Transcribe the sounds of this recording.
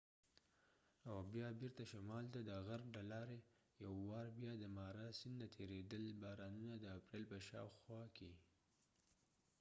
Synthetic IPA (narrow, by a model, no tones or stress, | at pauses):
awbjɑbiɾt̪aʃamɑlt̪ad̪əɣaɾblalɑɾe | jawːɑɾbjɑd̪əmɑɾasɪnd̪at̪ʰeɾed̪əlbɑɾɑnunad̪əapɾelpəʃɑ̰wxwɑke